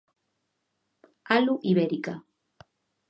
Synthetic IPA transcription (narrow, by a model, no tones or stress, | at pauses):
alʊʔiβeɾika